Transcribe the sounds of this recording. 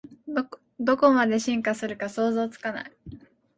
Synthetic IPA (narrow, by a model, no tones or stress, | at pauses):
d̪o̞ko̞mad̪e̞ɕĩŋkasɨɾɯ̟kaso̞ːzo̞ːt͡sɨ̥kana̰i